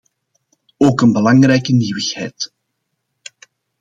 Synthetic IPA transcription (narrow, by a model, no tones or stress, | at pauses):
oːkənbəlɑŋrɛjkəniwəxhɛ̰jt